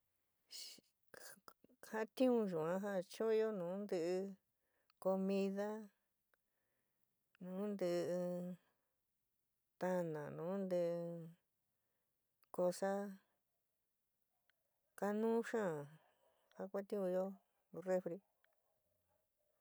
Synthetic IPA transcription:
ha˦t̪ĩ˦ũ˧ʒũ˨ã˦ɦa˦˧t͡ʃõ˦˧jo˦nũː˨˦nd̪ɨ˧ʔɨ˧ | ko˧mĩ˧ða˦ | nũː˨˦nd̪ɨ˧ | t̪a˧nã̰˨nũː˨˦nd̪ɨ˧ʔ | ko˧sa˦ | ka˧nũː˦ʃã˦˨ | ha˧kʷa˦t̪ĩ˦ũ˧jo˦ | re˦fɾi˧

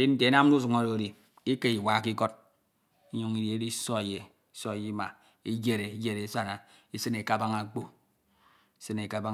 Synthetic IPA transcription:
i˦n̩˦te˨˦na˦m˦u˦s̬u˨ŋo˨ɾo˨ɾi˨ | i˦ke˦i˨wa˨˦ki˦ko˦t̚ | i˦ɲu˦ŋi˦dje˨e˦di˦so˦e˨je˨ | i˦so˦e˨je˦ma˨ | i˦d͡ʒe˦ɾe˨i˦d͡ʒe˦ɾe˨˦sa˦˨na˨i˦sɨ˦ne˨ka˦˨ba˦ŋa˨k͡po˦ | i˦sɨ˦ne˨ka˦ba˦

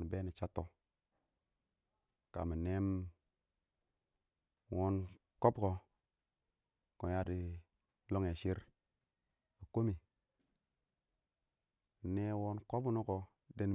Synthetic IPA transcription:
n˨be˦ni˨t͡ʃa˦tːo˨ | ka̰˨mi˨ne˦m | wo˦n | ko˦bko˨ | ko˨ja˦di˨ | lo˦ŋe˨ʃi˦ɾ | a˨ko˦mi˨ | ne˦wo˦nko˦bu˦no˦ko˨ | de˦n˨

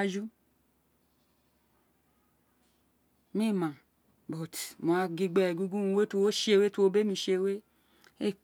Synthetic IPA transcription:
d͡ʒu˦ | mĩ˦˨mã˨ | bɔ˨tmo˨a˧ɡi˧ɡ͡bɛ˧˨ɡu˦ɡu˦n˧we˦tu˧wo˦ʃe˦˧we˦tu˦wo˦be˦mĩ˧ʃe˧˦we˦ | e˦˨

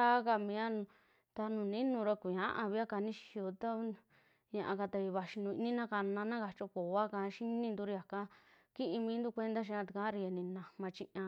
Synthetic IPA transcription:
a˦ka˧mĩ˧˦a˦˧ | t̪a˧nũ˨nĩ˦nũ˧ɾa˧kʷu˨ɲã˦ʔã˧βi˦a˦ka˧nĩ˦ʃi̥˧o˧t̪a˦ | ɲã˧ʔã˧ka˧t̪a˧i˧βa˧ʃi˧nũ˧i˧nĩ˦nã˦ka˧nã˧nã˦ka˧t͡ʃo˧ko˨a˦kã˧ʃi˦nĩ˦˧nd̪u˧ɾi˧a˨kã˦ | ki˦ʔĩ˧mĩː˧˦nd̪u˦˧kʷe˦nd̪a˦ʃ̬i˧˦ã˧t̪i˧kã˦ɾi˧e˧nĩ˧nã˧˨mã˧t͡ʃĩ˦˧ʔã˧

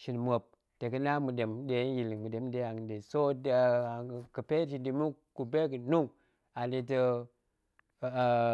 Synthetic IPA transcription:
ʃi˨nmo˨p̚ | te˨kə˦na˦mu˨de˨mde˨˦ji˨lmu˨de˨m˦de˦a˨ŋ˨de˨so˦da˨kə˨pe˦ti˨di˨mu˦ | ku˨be˦kə˨nu˦ŋ | a˨ni˨tə˦˨

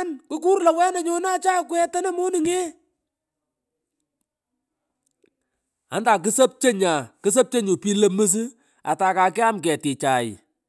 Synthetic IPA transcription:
nku˦ku˦rlɐ˨wɛ˦na˨ɲo˦na˦t͡ʃa˦kwɛ˦tɐ˦na˦mo˦ni˨ŋe˦ | a̰˨˦nda˨k̬ɨ˦sɐ˦p̚t͡ʃe˦ɲa˨kɨ˦s̬ɐ˦p̚t͡ʃe˦ɲu˨pi˦lə˦mɨ˦s̬ɨ˦ | a̰˨ta˨ka˨kɛ˦a˦mkɛ˨tɪ˨t͡ʃa˨ɪ̰˨

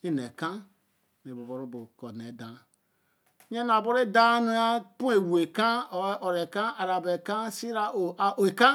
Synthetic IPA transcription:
i˦ne˨kã˦ | n˨e˨bo˨bo˨ɾũ˦bo˨kɔ˨ne˨˦dã˨˦ | ɲe˦n˦˨a˨bo˦ɾe˦da˦nu˦a˦pũ˦e˨we˨kã˦˨˦ʔɔ˨ɾe˨kã˦a˨ɾa˨be˨ka˦si˦ɾa˨ʔo˨ʔa˨ʔo˨e˨ka˦

